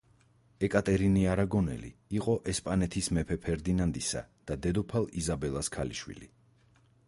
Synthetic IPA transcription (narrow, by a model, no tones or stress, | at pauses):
ɛkʼat̪ʼɛɾiniaɾaɡɔnɛ̰lḭiqʼɔʔɛspʼanɛt̪ʰismɛpʰɛpʰɛɾd̪inand̪isa̰d̪̥ad̪ɛd̪ɔpʰalˠizabɛlˠaskʰalḭʃwḭlḭ